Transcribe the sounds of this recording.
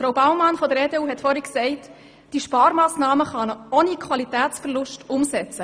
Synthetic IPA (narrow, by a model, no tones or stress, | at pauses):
fɾoʊbaʊwmɑnfɔd̪əɾeːdeːuːɦɛtfɔɾiksɛɪt | d̥iʃpɑːɾmɑːsnɑːməχɑnəoːnikʰχʋwɑlitæːtt͡sfərlʊʃtʊmsɛt͡sə